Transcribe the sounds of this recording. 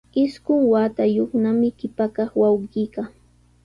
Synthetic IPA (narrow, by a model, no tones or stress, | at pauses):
ɪskʊŋwaːt̪ajoχnamɪkɪpakɑχwawɢiːka